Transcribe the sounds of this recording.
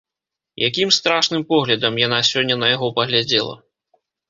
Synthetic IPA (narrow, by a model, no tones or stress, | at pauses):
jakʲimst̪ɾaʂnɨmpɔɣlʲɐd̪ɐmjan̪asʲɔnʲːɐnɐjaɣɔpɐɣlʲad͡zʲɛlˠɐ̰